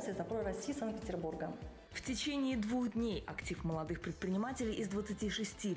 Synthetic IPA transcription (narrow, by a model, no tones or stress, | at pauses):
sʲəzɐpɾoɾɐsʲːijsanpʲɪtʲɪrburɡə | ftʲɪt͡ɕenʲɪːd̪vuxd̪ʲnʲejɐktʲifməlˠɐd̪ɨxpɾʲɪt̪̚pɾʲɪnʲɪmatʲɪlʲɪjʔɪzd̪vət̪sɨtʲiʂɨsʲtʲi